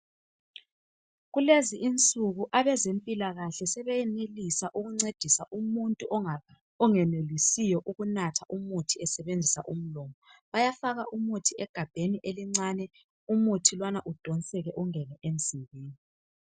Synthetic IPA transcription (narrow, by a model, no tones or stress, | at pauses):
ɣuleziʔint͡sʼuɣuʔaβɛzempʼilaɣaɬɛsɛβɛjɛnelisaʔuɣuŋ͡ǀed̥ʱisaʔumuntʼuʔ | ɔŋɛnelisijɔʔuɣunatʰaʔumutʰiɛsɛβend͡zʱisa̰ʔum̩lɔːmɔ | βajafaɣaʔumutʰiɛɡ̥ʱab̥ʱeniʔeliŋ͡ǀanɛ | umutʰilwanaʔud̥ʱɔnsʼɛɣɛʔuŋɛnɛʔen̩z̥ʱiɣeːni